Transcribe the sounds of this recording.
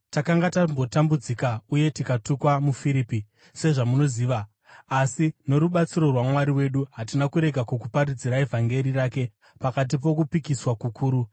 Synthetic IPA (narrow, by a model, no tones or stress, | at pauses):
takaŋɡatambo̞tambud͡zikauje̞tikatukwamufiɾipi | se̞ʐamuno̞ziːʋaː | sino̞ɾuɓat͡siɾo̞rwamwaɾiwe̞ɗuɦatinakuɾe̞ɡʱakukupaɾid͡ziɾae̞vʱaŋɡe̞ɾiraːke̞ | pakat̬ip̬o̞kupikiswakukʰuːɾu